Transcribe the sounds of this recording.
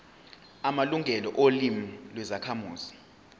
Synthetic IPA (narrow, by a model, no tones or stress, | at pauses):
amaluŋʱɛlɔʔolimilwɛzakʰamuːz̥i